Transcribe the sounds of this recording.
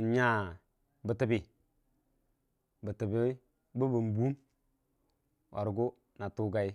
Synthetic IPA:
nɲa˦ | bə˨tə˨bi˨ | bə˨tə˨bi˦ | bu˦bə˨mbu˦n | wa̰˨ɾɡu˦ | na˨tu˦ɡa˦˨i˦

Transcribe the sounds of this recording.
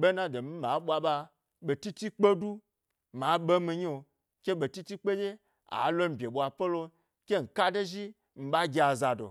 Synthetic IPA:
ɓe˦na˦do˨mi˦ma˨˦ɓʷa˧ɓa˧ | ɓe˨ti˦ti˦k͡pe˦du˦ | ma˨˦ɓe˦mi˧ɲ˦o˨ | kʲe˦ɓe˨ti˦ti˦k͡pe˦d͡ʒe˦ | a̰˨˦lo˦m̩˨bʲe˨ɓʷa˨po˦lo˧ | kʲe˦ŋ̩˨ka˦de˦ʒi˦ | m̩˨ɓa˦ɡʲi˨a˨za˨do̰˨

